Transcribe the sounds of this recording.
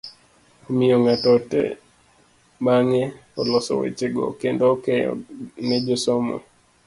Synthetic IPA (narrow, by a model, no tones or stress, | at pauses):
omɪjɔŋatɔtɛ̰ | baŋɛɔlɔsɔ̰wḛt͡ʃeɡo̰kendokɛjɔ̰nɛd͡ʒosomɔ̰